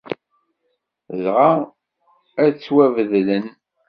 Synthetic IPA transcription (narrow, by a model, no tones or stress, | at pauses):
zʁa | æt͡sːwævəðlən